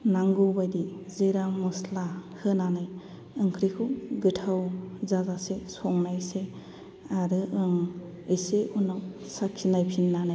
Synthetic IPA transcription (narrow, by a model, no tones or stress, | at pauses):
naŋɡɯwbajdizɯɾamɔslahʰɯnanaj | ɯŋkʰɾikʰuɡɯtʰawzazasesɔŋnajse | aɾɯɯŋ | ɯjseunaw | sakʰːinajpʰinːanaj